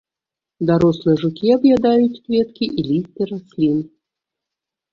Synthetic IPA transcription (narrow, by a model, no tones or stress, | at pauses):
d̪aɾɔslˠɨjəʐʊkʲiabjad̪ajʊtʲkvʲet̪kʲiʔilʲisʲt̪ʲɪɾasʲlʲin